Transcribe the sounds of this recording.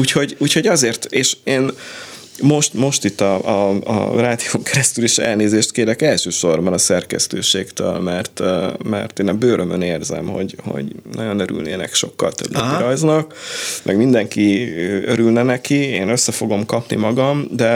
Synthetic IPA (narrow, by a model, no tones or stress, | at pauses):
uːcho̞ɟuːcho̞ɟɒzeːrt̪eːʃeːn | mo̞ʃt̪mo̞ʃt̪it̪ːɒɒɒ̰raːd̪ijoŋkɛɾɛst̪yliʃɛ̰lneːzeːʃt̪̚keːlɛkɛlʃøːʃo̞rbɒnɒsɛrkɛ̰st̪øːʃeːkt̪ø̰lmɛrt̪mɛ̰rt̪eːnɒbøːɾʔømøneːrzɛ̰mho̞̰ɟho̰ɟnɒɟo̞nøɾy̰lnḛːnɛ̰kʃo̞̰kːɒ̰lt̪ø̰bnɛɾɒjznɒkmʔɛɡmind̪ɛŋkiøøɾylnɛnɛkieːnøsːɛfo̞ɡo̞mkɒpnḭmɒɡɒmd̪ɛ